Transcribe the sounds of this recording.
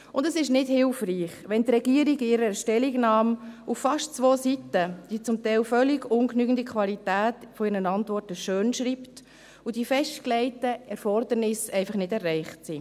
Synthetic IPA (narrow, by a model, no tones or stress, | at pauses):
ʊndəsɪʃnɪdhɪlfriːχʋɛntɾɛɡiəɾiɡɪɾəʃtɛliɡnɑːmuffɑʃtt͡sʋoːsitəd̥it͡sʊmtɛɪlfœlɪɡʊŋknyːɡn̩dikʰχʋɑlitæːtfɔɪɾnənɑntʋɔrtəʃøːnʃɾiːpt | ud̥ifɛʃtklɛɪtəɛɾfɔrdəɾnɪsɛɪfɑχnɪdɛrːɛɪχtsi